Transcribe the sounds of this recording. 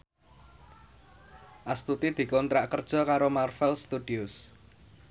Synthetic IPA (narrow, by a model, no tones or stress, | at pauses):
ʔast̪ut̪id̪̥i̤kɔnt̪ɾaʔkərd̥ʒ̥ɔ̤kaɾomarfɛlst̪ud̥iʊs